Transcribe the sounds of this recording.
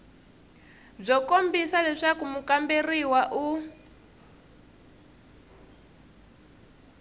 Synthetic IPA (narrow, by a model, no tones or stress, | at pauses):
b͡ʐɔkombisalɛʂakumukamberiwaʔu